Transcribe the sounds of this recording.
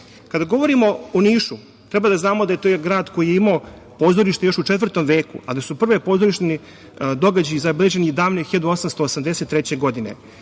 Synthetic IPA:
kad̪aɡo̞ʋo̞ɾimo̞oniːʃu | t̪ɾɛbad̪aznaːmod̪ajet̪oːjɡɾaːd̪ko̞jijeimao | po̞ːzoɾiʃt̪ejo̞ʃut͡ʃet̪vr̩t̪o̞mʋe̞ːkṵad̪asupr̩ʋe̞po̞ːzoɾiʃt̪eni | d̪o̞ɡad͡ʑajizabelʲˠeʒe̞nid̪aːʋnexiʎad̪uo̞samst̪oːsamd̪eset̪ːɾet͡ɕe̞ɡo̞d̪inḛ

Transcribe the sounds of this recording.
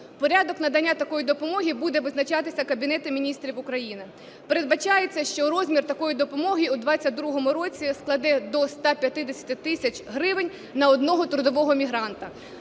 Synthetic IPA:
pɔɾʲɑd̪ɔknɐd̪ɐnʲːat̪ɐkɔjid̪ɔpɔmɔɦʲibud̪ɛʋɪznɐt͡ʃɑt̪ɪsʲɐkɐbʲinɛt̪ɪmʲinʲist̪ɾʲiwʊkɾɐjinɪ | peɾe̞d̪̚bɐt͡ʃɑjet͡sʲːɐʃt͡ʃɔɾɔzʲmʲirt̪ɐkɔjid̪ɔpɔmɔɦʲiud̪ʋɑt͡sʲːɐd̪ɾuɦɔmʊɾɔt͡sʲisklˠɐd̪ɛd̪ɔst̪ɑpʲjɐt̪ɪd̪esʲɐ̥t̪ɪt̪ɪsʲɐt͡ʃʲɦɾɪʋɪnʲ | nɐɔd̪nɔɦɔt̪ɾʊd̪ɔʋɔɦɔmʲiɦɾɑnt̪ɐ

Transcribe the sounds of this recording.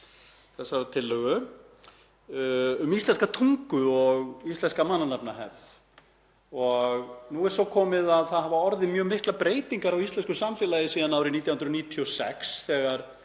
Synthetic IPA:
θɛsːaɾat̪ʰɪlːœɣʏ | ʏmist̪ɛnskat̪ʰuŋkʏɔɣist̪lɛnskamanːanapnaɦɛ̰ɾð | ɔɣnuɛɾsɔkʰɔːmɪðaðθaðhavaɔɾðɪmjœːɣmɪhklapɾeːjt̪iŋkaɾawisɛnskʏsamfɛːlajɪsiːðanawɾɪniːt̪jahʏnɾniːt̪ʰiɔsɛ̰ksθɛːɣaɾ̥

